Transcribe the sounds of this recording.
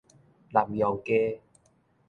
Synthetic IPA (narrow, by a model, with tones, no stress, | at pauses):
la˨˩mja˨˩wke˧